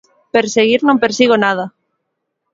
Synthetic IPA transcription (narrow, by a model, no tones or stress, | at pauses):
peɾseɣiɾnõmpeɾsiɣonað̞a